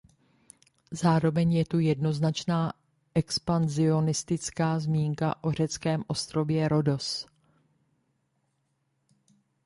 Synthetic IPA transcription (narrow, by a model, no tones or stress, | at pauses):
zaːɾo̞vɛɲjɛt̪ujɛdno̞znat͡ʃnaː | ʔɛkspanzɪo̞nɪst̪ɪt͡skaːzmiːŋka̰ʔo̞r̝ɛt͡skɛːmʔo̞st̪ɾo̞vjɛɾo̞do̞s